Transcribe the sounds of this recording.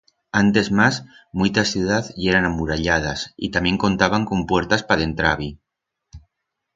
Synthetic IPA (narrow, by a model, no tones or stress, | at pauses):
ant̪e̞zmas | mujt̪asjuð̞aθjeɾanamuɾaʎað̞asḭt̪amje̞ŋko̞nt̪aβ̞aŋko̞mpweɾt̪aspaðent̪ɾaβ̞i